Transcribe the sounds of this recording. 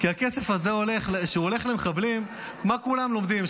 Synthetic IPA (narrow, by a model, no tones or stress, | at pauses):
kiake̞se̞fhazeole̞χlʃeuole̞χlemeχablimː | akulamlo̞md̪im